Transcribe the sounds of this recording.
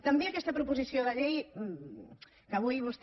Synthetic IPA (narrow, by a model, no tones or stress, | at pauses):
t̪əmbeɐkɛst̪əpɾupuzisioðəʎej | kəβ̞ujβust̪